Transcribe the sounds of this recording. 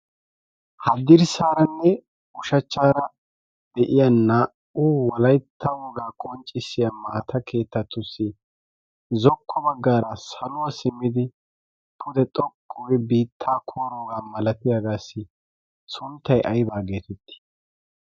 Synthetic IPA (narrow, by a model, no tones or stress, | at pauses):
hɐd̪ɪɾsaːɾɐnːɛ | ʊʃɐt͡ʃːaːɾɐ | d̪ɛʔɪjɐnːɐ | ʊwɐlɐjt̪ʰːɐwoːɡaːkʼɔnt͡ʃʼːɪsːɪjɐmːɐɐt̪ʰɐkʰe̞ːt̪ːɐt̪ːʊsːɪ | zɔkʰːɔbɐɡːaːɾɐsɐlʊwɐsɪmːɪd̪ɪ | pʰʊd̪ɛt̪ʼɔkʼʰːɔɡɛbiːt̪ʰːaːkʰoːɾoːɡaːmɐlɐt̪ɪjaɡaːsːɪ | sʊnt̪ːɐjʔɐjbaːɡe̞ːt̪ɛt̪ʰːɪ̥